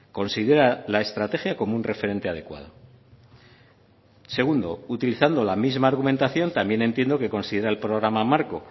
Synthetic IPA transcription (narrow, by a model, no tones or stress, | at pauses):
ko̞nsið̞e̞ɾalae̞st̪ɾat̪e̞xjako̞mounre̞fe̞ɾe̞nt̪eaðe̞kwa̰ðo̞̰ | se̞ɣ̞und̪o̞̰ut̪iliθand̪o̞lamizmaːɾɣume̞nt̪aθjo̞nt̪ambje̞ne̞nt̪je̞nd̪o̞ke̞ko̞nsiðe̞ɾaelpɾo̞ɣ̞ɾamamaɾko̞